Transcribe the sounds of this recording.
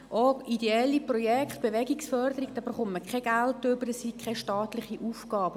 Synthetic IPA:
ʔoid̥eɛlːiprɔjɛkχt̚b̥eʋɛɡiksfœrd̥̪əɾiɡ̚d̥̪ɑbərχʊmməkχɛɡ̥altːʏbəɾəsikʰχɛʃtɑːtlɪχiʔuːfɡɑːbə

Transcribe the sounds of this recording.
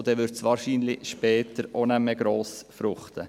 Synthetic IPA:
d̥̪ɛʋʏɾt͡sʋɑːɾʃiːnlɪʃpɛːt̪əɾonæməɡɾoːsfɾʊχt̪ə̰

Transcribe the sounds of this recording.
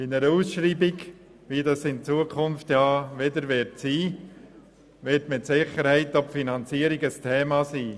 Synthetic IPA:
ɪnəɾəusʃɾiːbɪɡ | ʋidɑsɪnt͡suəkʰʊnft̪jɑːʋed̪əɾʋɪɾtsiː | ʋɪɾtmɪtsɪχəɾhɛɪtɔpfinɑnt͡siːəɾɪɡəstʰɛːmɑsiː

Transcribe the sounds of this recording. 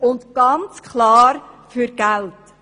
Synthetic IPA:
ʊndɡ̥ɑnt͡skʰlɑːɾfyɾɡælt

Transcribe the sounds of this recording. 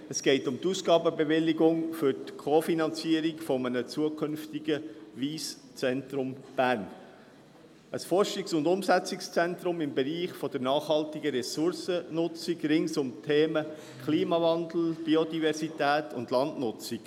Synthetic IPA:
əsɡ̥ɛɪtʊmt̪uːsɡɑːbəbɛvɪlːiɡʊŋfʏɾtkʰoːfinɑnt͡siəɾikfɔmənət͡suəkʰʏnftiɡəʋiːs | t͡sɛntɾʊmb̥æːɾn | ʔəsfɔrʃiksʊndʊmsɛt͡sɪkst͡sɛntɾʊmɪmbɛɾiːχfɔd̥̪ənɑːχhɑltɪɡəɾɛsʊɾsənʊt͡sikɾɪŋsʊmtʰeːmə | kʰliːmɑvɑndl̩b̥iodivɛɾsitæːtʰʊndlɑndnʊt͡sik

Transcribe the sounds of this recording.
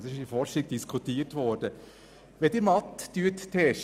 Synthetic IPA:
sɪʃdifɔɾʃɪɡ̚d̥̪iskʰut̪iːəɾtʋɔɾd̥ə | ʋɛd̥̪iɾmɑt̪d̥yəttʰɛʃ

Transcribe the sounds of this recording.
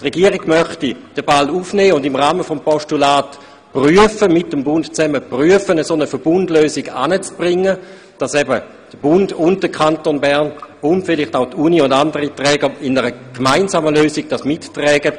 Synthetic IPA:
tʁɛɡiəʁiɡmœχtid̥əbalufnɛːʊndɪmʁaːməfɔmpɔʃtulaːt | pʁyəfəmɪt̚ːəmbʊntt͡sɛməpryəfənəsoːnəfəɐb̥ʊndløːsiɡa̰nət͡sb̥ʁɪŋːə | d̥asɛbə | d̥əbʊndʊnd̚d̥əkʰantonbɛɐnʊntfɪlɪχtaʊtuniʊndandəʁitʁɛːɡəɪnəʁəkmaɪnzaːməløːsɪɡ̥̚d̥asmɪtːʁɛːɡə

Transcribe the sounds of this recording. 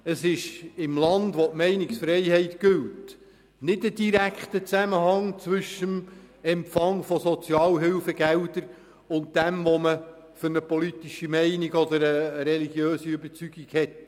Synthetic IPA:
əsɪʃɪmlɑndʋɔʔmɛɪnɪksfɾɛɪhɛɪtɡ̥ʏlt | nɪdəd̥iɾækχt̪ət͡sæməɦɑŋt͡sʋʏʃəmɛmpfɑŋfɔsɔt͡sjɑːlɦɪlfəɡ̥ældəɾ | ʊnt̚d̥æmʋɔmə | fʏɾnəpɔlit̪iʃimɛɪniɡɔd̪əɾəɾɛliɡjøːsiʏbət͡syɡikhɛt̚

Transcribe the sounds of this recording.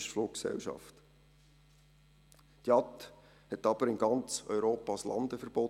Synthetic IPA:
ʃflukksɛ̰lʃɑ̰ft | d̥jɑt̪ː | hɛt̪ːɑb̥əɾɪnɡ̥ɑnt͡sœʏɾoːpɑslɑ̰nd̪əfəɾb̥ɔ

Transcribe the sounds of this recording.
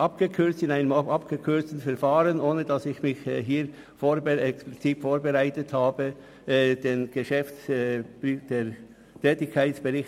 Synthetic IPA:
ʔɑp̚ɡ̥əkʰʏʁt͡stɪnaɪnəmʔɑpɡ̥əkʰʏʁt͡stn̩fɛɐfaːʁənʔoːnədɑsɪçmɪçɛɦiːʁ | foːbɛksplit͡siːffoːɐbəʁaɪtəthaːbə | d̥eːnɡ̥əʃɛfbd̥eː | tʰɛːtɪçkʰaɪt͡sb̥əʁɪç

